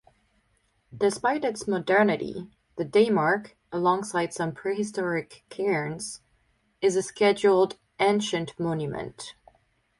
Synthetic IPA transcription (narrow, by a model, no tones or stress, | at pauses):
d̥ɨspaɪɾɨtsmədɛ˞nɨɾḭ | ðɨdeɪmɑɹk | əlɔ̃ŋsaɪd̥sʌ̃mpʰɹ̥ihɨstɔɹɪkʰːɛɹnz̥ | ɨzɨskɛd͡ʒl̩ˠd | ʔẽnʃɨ̃nʔmõʊ̃njʉmɨ̰̃nt